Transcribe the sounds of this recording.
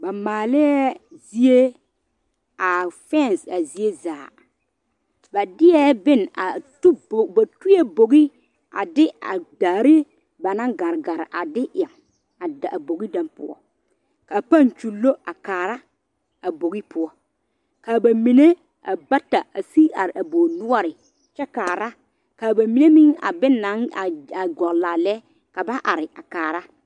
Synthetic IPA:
ba˨maː˨lɪ˦ɛ˦zi˦e˦ | a˨fɛ˦˨nsa˨zi˦e˦zaː˨ | ba˨dɪ˦ɛ˦bɪ˦˨n˨a˨tu˦bo˨ba˨tu˦je˦bo˨ɡi˦ | a̰˨dɪ˦a̰˨daː˨ɾɪ˦ | ba˨na˦ŋɡa˨ɾɡa˨ɾɪ̰˨ʔa˨dɪ˦ʔɛ˨m | a˨da˨ʔa˨bo˨ɡi˦da˨mpʊ̰˦ɔ̰˦ | ka˨pa˦˨nt͡ʃu˨lːo˦ʔa˨kaː˨ɾa˦ | a˨bo˨ɣi˦pʰʊ˦ɔ˦ | kaː˨ba˨mi˨ne˦ | a˨ba˦ta˨a˨si˦a˨ɾɪ˨ʔa˨boː˨nʊ˦ɔ˦ɾɪ˨ | t͡ʃɛ˦kaː˨ɾa˦ | kaː˨ba˨mi˨ne˦mi˦ŋa̰˨bɪ˦nːa˨˦ŋa˨a˨ɡɔ˨ɣlaː˨lɛ˦ | ka˨ba˦ʔa˨ɾɪ˨ʔa˨kaː˨ɾa˦

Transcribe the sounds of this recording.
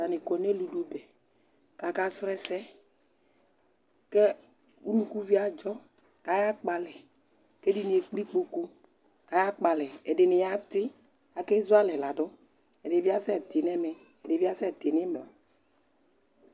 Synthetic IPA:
a˨nɪ˨kɔ˨ne˦lu˨ɖo˦bɛ˨ | ka˨ka˦sɾɛ˦sɛ˦ | ke˦ | u˦nũ˦ku˦vi˦a˨d͡ʒɔ˦ | ka˨ja˦k͡pa˨lɛ˨ | ke˦di˦nĩ˨e˨k͡pi˦k͡po˨ku˦ | ka˨ja˦k͡pa˨lɛ˨e˨ɖe˨nɪ˨ja˦t̪ɪ˦ | a˨ke˦zu˦a˦lɛ˨la˨ɖɔ˦ | e˨de˨vi˦a˦sɛ˦˨t̪e˨nɛ˦mɛ˨ | e˨de˨vi˦a˦sɛ˦˨t̪e˨ne˦me˨a˨

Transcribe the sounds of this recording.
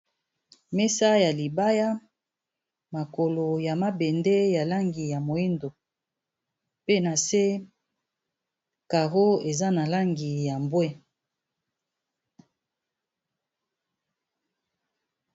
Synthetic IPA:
me˦sa˦ja˨li˨ba˦ja˦ | ma˨ko˨lo˨ja˨ma˦be˨ndɛ˦ja˨la˦ŋɡi˨ja˨mo˨i˦ndo˨ | pe˦na˨se˦ | ka˨ʁo˦e˨za˦na˨la˦ŋɡi˨ja˨mbwɛ˦

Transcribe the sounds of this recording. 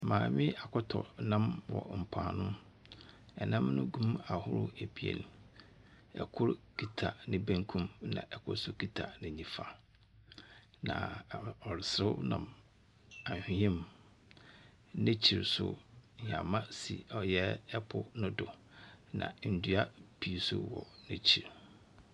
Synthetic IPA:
mãː˨mɪ̃˦a˨kʰʊ˦tʰɔ̰˨nã˦mwɔ̰˨m̩˨pʰã̰ː˨nʊ̃˦ | ɛ˨nã˦mnʊ̃˦ɡũ˦ma˨hʊ˦ɾʊ̰˦e˨bi˨ḛ˨n˨ | ɛ̰˨kʰʊ˦ɾkʰi˨tʰa˨nɪ̃˦bæ̃˦ŋkʰũ˦mnã̰˨ʔɛ˨kʰʊ̰˦ɾsʊ˦˨kʰi˦tʰa˨nɪ̃˨ɲĩ˨fa˨ | nã̰˨ɔ˨ɾɪ˨sɾɪ˦nã̰˨m | ã˨ɕᶣĩ˨hɛ̃˦m | nɪ̃˦t͡ɕʰi˨ɾsʊ̰˨ɲã̰˨mã˦sḭ˨ɔ˨jɛ˦ɛ˦pʰʊ˦nʊ̃˦dʊ˨ | nã̰˨n̩˨du˨a˦pʰi˨sʊ̰˦wɔ̰˨nɪ̃˦t͡ɕʰi˨ɾ

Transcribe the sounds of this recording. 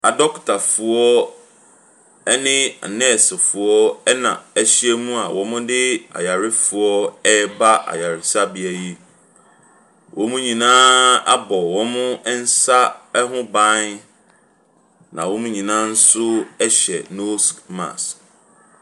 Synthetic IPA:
a˨dɔ˦ktʰa˨fʊ˨ɔ˦ | ɛ˦nɪ̃˦a̰˨nɛ˦˨sɪ˨fʊ˨ɔ˦ɛ˦nã̰˨æ˦ɕi˦e˦mũ˦a˨wɔ̃˨˦mʊ̃˦dɪ˦a̰˨ja˨ɾɪ˦fʊ˨ɔ˦ɛ˦ba˦ʔa̰˨ja˨ɾɪ˨sa˦bi˨æ˨ji˦ | wʔɔ̃˨mũ˦ɲĩ˨nãː˦a̰˦bɔ˨wɔ̃˦mʊ̃˦n̩˦sa˦ɛ˦ɦʊ̃˦bã˦n | nã̰˨wɔ̃˦mũ˦ɲĩ˨nã˦n̩˦sʊ˦ɛ˦ɕɛ̰˨no˦sma̰˨s

